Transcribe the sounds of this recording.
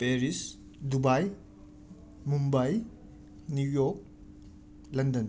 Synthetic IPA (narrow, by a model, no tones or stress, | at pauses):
peɾis | dubaj | mumbaj | nujok̚ | lɐndɐn